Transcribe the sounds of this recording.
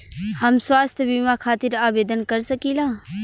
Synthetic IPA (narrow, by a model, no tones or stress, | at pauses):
hɐmswaːst̪ʰbiːmãkʰaːt̪ɪɾaːbeːd̪ənkəɾsəkiːlãː